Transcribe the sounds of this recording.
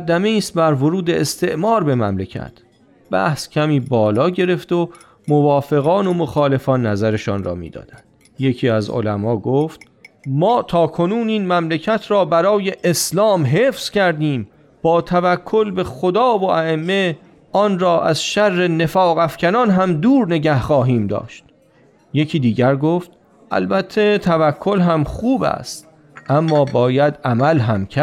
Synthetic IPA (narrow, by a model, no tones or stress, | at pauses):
d̪æmeiːst̪̚bæɾvoɾuːd̪eest̪ʰe̞ʔmɒːɾbe̞mæ̰mlecʰæ̰t̪ʰ | b̥æ̰hscʲʰæmiːbɒːlɒːɟe̞ɾe̞ft̪o | movɒːfe̞ɣɒːnomoxɒːle̞fɒːnːæzæɾe̞ʃɒːnrɒ̰ːmḭːd̪ɒ̰ːd̪̥ænd̪̥ | je̞cʰiːæzo̰læmɒːɡoːft̪ | mɒːt̪ʰɒːkʰo̞nuːniːnmæmlecʰæt̪ʰɾɒːbæɾɒːje̞ʔeslɒːmɦeːfscæɾd̪iːm | b̥ɒːt̪ʰævækʰːo̞lbe̞xod̪ɒːvoʔæemːe̞ | ʔɒːnɾɒːʔæ̰zʃærːe̞ne̞fɒːɣæfcʰænɒːnɦæmd̪uːɾne̞ɟæhχɒːɦiːmd̪ɒ̰ːʃt̪̚ | je̞cʰiːd̪iːɟæɾɡoːft̪̚ | ʔæ̰lbæt̪ʰːe̞t̪ʰævækʰːo̞lɦæmχuːbæ̰st̪ | ʔæmːɒːbɒːjæd̪ʔæmælɦæmcʰæ